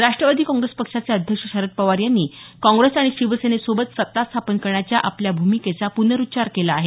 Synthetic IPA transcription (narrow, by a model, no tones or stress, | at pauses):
ɾaʂʈɾəʋad̪ʱiːkɔ̃ŋɡɾespəkʂat͡seəd̪ʱjəkʂəɕəɾət̪̚pəʋaɾjanːiːkɔ̃ŋɡɾesaɽ̃iɕiʋəsenesobət̪sət̪ːast̪ʰapənkəɾɳat͡ɕjaʔapljabʱumiket͡sapunəɾutːt͡ɕaɾkelaːɦe